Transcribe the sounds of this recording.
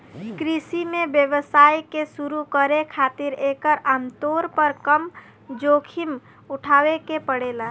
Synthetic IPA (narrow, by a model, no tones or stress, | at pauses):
kɾisimẽbjəʋəsaːjkesuɾukəɾekʰaːt̪ɪɾekəɾʔamt̪oːɾpəɾkəm | d͡ʒoːkʰim | ʊʈʰaːwekepəɽela